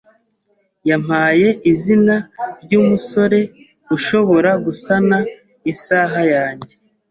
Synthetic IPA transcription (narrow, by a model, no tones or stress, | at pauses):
jam̥haːje̞ʔizinaɾɟuːmuso̞ɾe̞ | ɡuʃo̞βo̞ɾaɡusana | isaːɦajaːɲɟe̞